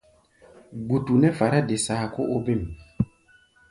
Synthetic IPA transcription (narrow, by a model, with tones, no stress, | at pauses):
ɡ͡bu˨tu˨nɛ˦fa˨ɾa˦de˨saː˨˦˨ko˦ʔo˦be˦˨m